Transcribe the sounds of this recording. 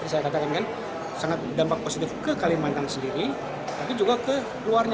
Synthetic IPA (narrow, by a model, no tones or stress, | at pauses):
ɾisajakat̪akankan | saŋat̪̚dampak̚posit̪ɪfkəkalimant̪aŋsəndiɾi | t̪apid͡ʒuɡakə | kluarɲ